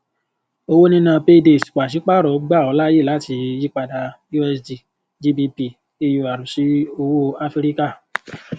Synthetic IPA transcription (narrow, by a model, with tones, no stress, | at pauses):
o˧wo˦nĩ˦nã˧pe˦˧de˧˨su̥˨k͡pa˨ʃi˨˦k͡pa˦˨ɾɔ˨˦ɡ͡ba˦˨ɔ˧˦la˦je˦˨a˨˦ti˧ji˦k͡pa˧da˨ju˦ɛ˧sdi˨ | d͡ʒi˧bi˧pi˧˨ | e˧jo˧˨a˨ɾũ˨ʃi˨˦o˧wo˦a˧fi˧ɾi˦ka˦˨